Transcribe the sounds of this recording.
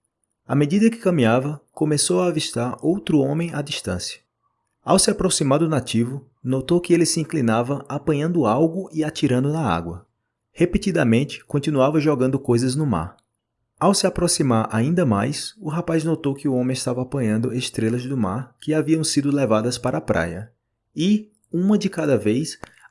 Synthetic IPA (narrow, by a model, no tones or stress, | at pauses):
ɐmed͡ʒid̪ɐkɪ̥kɐ̃mĩɲavɐkõmesowaːviʃt̪aɾowt̪ɾʊõmẽj̃adiʃt̪ɐ̃sjɐ̥ | awsɪapɾosimaɾd̪ʊnat͡ʃivʊ | not̪owkɪelɪsɪĩklinavɐʔapɐ̃ɲɐ̃nd̪ʊawɡʊɪat͡ʃiɾɐ̃nd̪ʊnɐa̰ɡwɐ | hepet̪id̪ɐmẽnt͡ʃɪ̥kõnt͡ʃ̪inuavɐʒɔɡɐ̃nd̪ʊkojzɐznʊma̰ɾ | awsɪapɾosimaɾʔa̰ĩnd̪ɐmajsʊɦapajznot̪owkɪʊõmẽɪst̪avɐapɐ̃ɲɐ̃nd̪ʊest̪ɾelɐzd̪ʊmaɾkɪaviɐ̃w̃sid̪ʊlɛvad̪ɐspaɾʔɐapɾʔa̰jɐ | ɪ | ũmɐd͡ʒɪkad̪ɐvejs